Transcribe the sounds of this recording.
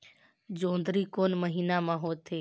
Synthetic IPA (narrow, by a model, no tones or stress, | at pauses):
d͡ʒõːnd̪ɾiːkoːnməɦiːnamãːɦoːt̪ʰeː